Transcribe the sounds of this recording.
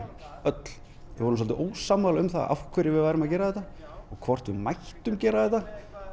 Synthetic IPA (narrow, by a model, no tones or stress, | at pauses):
œt̪l̥ | ɛvɔɾns̬ɔlt̪ɪʔoːwsaːmalaʏmθa̰ʔa̰fkʰvœɾɪvɪðvaːjɾɪmaðcɛːɾaðɛt̪ːa | ɔɣkʰvɔr̥t̪vɪmajht̪ʏmcɛːɾaðɛt̪ːa